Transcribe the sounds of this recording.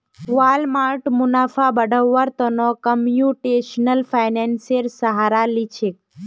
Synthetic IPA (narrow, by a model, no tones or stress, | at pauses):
ʋalmaɾʈmʊnafabəɖʱəʋːəɾt̪ənokəmjuʈeʃnəlfʰajnenseɾsəɦaɾalit͡ʃʰek